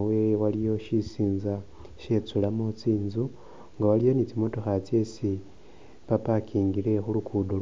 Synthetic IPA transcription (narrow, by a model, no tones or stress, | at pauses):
wewalijo̞ʃisiːnza | ʃe̞t͡sulamot͡siːnzu | ŋɡawalijo̞nit͡simo̞toxat͡se̞si | papakʰiːŋɡile̞xulukʰudo